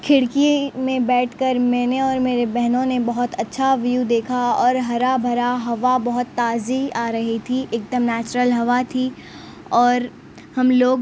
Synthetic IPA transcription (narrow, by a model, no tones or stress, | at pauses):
kʰɪɽkimẽbɛːʈʰkɐɾmɛ̃ːneɔːɾmeːɾebɛɦnõnebɐɦʊt̪ɐtːʃʰaʋjud̪eːkʰaɔːɾɦɐɾabʱɐɾaɦɐʋabɐɦʊt̪ːaːziaːɾɐɦit̪ʰiʔek̚d̪əmnɛːt͡ʃɾəlɦɐʋat̪ʰi | ɔːɾ | hɐmloːɡ